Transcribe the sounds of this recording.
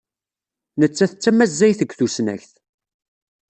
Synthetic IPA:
nət͡sːæθət͡sːæmːæzːæjθəɡʷːθusnæ̰çθ

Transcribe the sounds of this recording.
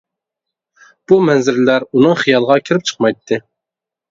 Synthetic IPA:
b̥umɛnzɪɾlæɾunɨŋχijɑlˠəʁɑkʲʰiɾɪp̚t͡ʃʰə̥qmɑjt̪ʰːɨ

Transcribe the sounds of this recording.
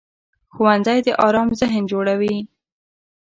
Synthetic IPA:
xuwanzajd̪əʔɑɾɑmzɪɦnd͡ʒoɽawi

